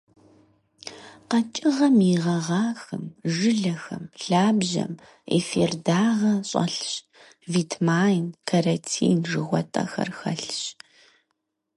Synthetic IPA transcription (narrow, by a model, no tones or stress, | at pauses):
qɐt͡ʃʼɪʁɐmiʁɐʁɑːxɨmʒɨɮɐxɐmɬaːbʑɐ̰m | ḛferdaːʁɐɕʼɐ̰ɬɕ | viːtʰmaːjnkʰɐrɐtʰḭːnʐɨʁʷɔtʼɐ̰xɐ̰rxɐɬɕ